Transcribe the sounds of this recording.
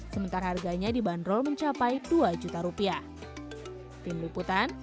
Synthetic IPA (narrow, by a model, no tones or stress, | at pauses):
səmənt̪aɾaharɡaɲadibandɾɔlməɲt͡ʃapajduad͡ʒut̪aɾupiah | t̪imliput̪an